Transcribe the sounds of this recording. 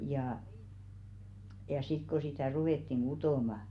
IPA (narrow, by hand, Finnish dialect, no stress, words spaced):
jɑˑ jɑ sit ko sitæˑ ruweˑtːiŋ ɡ̊utoˑmɑ